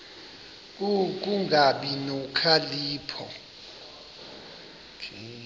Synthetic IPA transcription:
k̬ʼuk̬ʼuŋɡʱaɓinukʰaliːpʰɔ̰ | kʰ

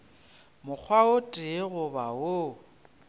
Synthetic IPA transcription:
mʊk͡xʰwaʊtʼɪɣʊbao

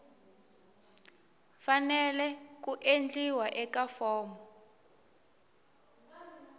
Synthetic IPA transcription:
fanɛlɛk̬uʔend͡ɮiwaʔɛkafɔːmɔ

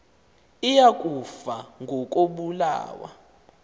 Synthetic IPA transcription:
ijakʼufaŋʱɔk̬ʼoɓula̰ːwa̰

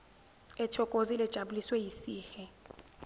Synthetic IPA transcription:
ɛtʰɔkʼozilɛd̥ʒ̥ʱaɓuliswɛjisiːxɛ

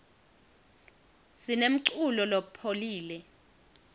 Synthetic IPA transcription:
sinem̩ǀulɔlopʰoliːlɛ

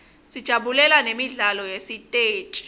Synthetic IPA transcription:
sid̥ʒ̥ʱaɓulɛlanemiɮalɔjesitʼeːt͡ʃʼi̥

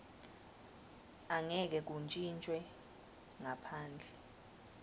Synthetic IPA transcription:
aŋɛk̬ɛk̬unt͡ʃʼint͡ʃʼwɛ | ŋapʰaːnd͡ɮʱɛ

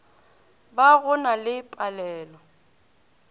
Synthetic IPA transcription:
baɣʊnalɪpʼalɛːlɔ

